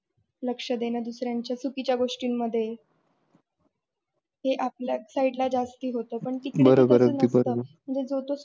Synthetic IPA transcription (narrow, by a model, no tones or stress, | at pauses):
ləkʂəd̪enəːd̪usɾjaɲt͡ɕjasukit͡ɕjaɡoʂʈiːnːəd̪ʱːje | ɦeʔap̚ljasaiʈlad͡zast̪iːɦot̪əːpəɳʈikbəɾəbəɾənəibəɾəm̤əɳd͡zed͡zot̪o